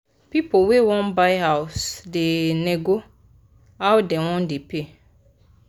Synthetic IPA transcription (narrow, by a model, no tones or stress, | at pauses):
pipowewɔ̃nbajɦawsdeneɡo | awdɛwɔ̃ndepe